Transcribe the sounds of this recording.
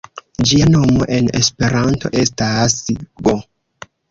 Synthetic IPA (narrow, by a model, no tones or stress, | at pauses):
d͡ʒiano̞mo̞̰ʔe̞ne̞̰spe̞ɾanto̞̰ʔe̞stasɡo